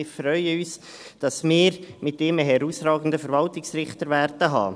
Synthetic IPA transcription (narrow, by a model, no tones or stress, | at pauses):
ɪfɾœʏəyːsd̥ɑsmɪːɾmɪtːɪməɦɛɾuːsɾɑːɡən̩dəfəɾvɑltɪksɾɪχtəɾvɛɾtəɦɑ̰ː